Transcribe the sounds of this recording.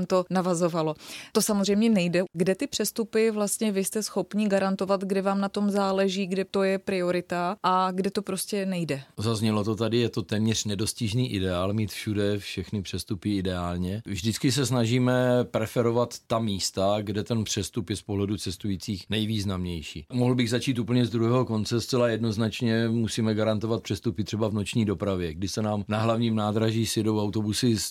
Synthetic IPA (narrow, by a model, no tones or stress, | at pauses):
mt̪o̞navazo̞valo̞t̪o̞samozr̝ɛjmɲɛnɛjdɛɡdɛt̪ɪpr̥ɛst̪upɪvlast̪ɲɛvɪst̪ɛsxo̞pɲiɡaɾant̪o̞vat̪ɡdɛvaːmnat̪o̞mzaːlɛʒiːɡdɛt̪o̞jɛpɾɪoɾɪt̪aʔaɡdɛt̪o̞pɾo̞scɛnɛjdɛzazɲɛlot̪ot̪adɪjɛt̪o̞t̪ɛːmɲɛr̥nɛdo̞scɪʒniːʔɪdɛaːlmiːt̪fʃudɛfʃɛxnɪpr̝̥ɛst̪upɪɪdɛaːlɲɛvʒdɪt͡skɪs̬ɛsnaʒiːmɛpɾɛfɛɾo̞vat̪ːamiːst̪aɡdɛt̪ɛnpr̝̥ɛst̪upjɛspoɦlɛdut͡sɛst̪ujiːt͡siːxnɛjviːznamɲɛjʃḭːmoɦl̩bɪɣzat͡ʃiːt̪uːp̬l̩ɲɛzd̪ɾuɦɛːɦo̞ko̞nt͡sɛst͡sɛlajɛdno̞znat͡ʃɲɛmusiːmɛɡaɾant̪ovat̪̚pr̥ɛst̪upɪt̪r̝̥ɛbavno̞t͡ʃɲiːdo̞pɾavjɛɡdɪsɛnaːmnaɦlavɲiːmnaːd̪ɾaʒiːsɪdowawt̪o̞busɪs